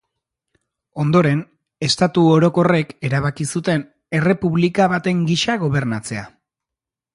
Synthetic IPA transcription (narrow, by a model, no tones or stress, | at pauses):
o̞nd̪o̞ɾe̞n | e̞st̪at̪uoɾo̞ko̞re̞ke̞ɾaβakisut̪e̞n | e̞re̞puβlikaβat̪e̞ŋɡiʃaɣ̞o̞β̞e̞ɾnat͡se̞a